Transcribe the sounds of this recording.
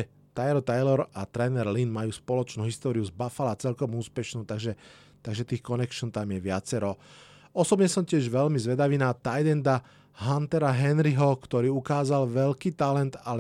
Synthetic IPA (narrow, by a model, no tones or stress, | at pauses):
ɛ | t̪ajɾɔt̪ajlɔɾat̪ɾɛnɛɾlinmajuːspɔlɔt͡ʃnuːɦist̪ɔːɾiuzbafalat͡sɛlkɔmuːspɛʃnuːt̪aɡʒɛ | t̪aɡʒɛt̪iːxkɔnɛkʃɔnt̪amjɛʋɪat͡sɛɾɔ | ɔsɔbɲɛsɔmcɪɛʒʋɛlmizʋɛd̪aʋiːnaːt̪ajd̪ɛnd̪a | ɦant̪ɛɾaɦɛnɾiɦɔkt̪ɔɾiːukaːzalʋɛʎkiːt̪alɛnt̪alɛ